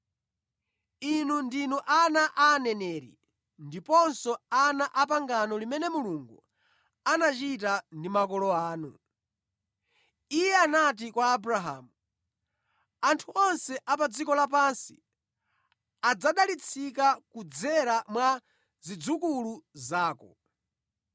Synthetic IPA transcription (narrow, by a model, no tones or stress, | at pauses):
inundinuʔanaʔaːnɛnɛːɾḭ | ndipɔnsɔanaʔapaŋɡanɔlimɛnɛmuluŋɡu | anat͡ʃitandimakɔlɔaːnṵ | ijɛanat̬ikwaːbɾaɦa̰ːmu | antʰuɔnsɛʔap̬ad͡zikɔlap̬ansi̥̰ | ad͡zaɗalit͡sʰikakud͡zɛɾamwa | zid͡zukuluzaːkɔ̰